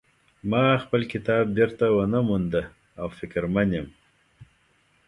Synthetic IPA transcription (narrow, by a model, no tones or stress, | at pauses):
mɑxpəlkɪt̪ɑb̚beɾt̪awənəmund̪ə | awfɪkɾmanjem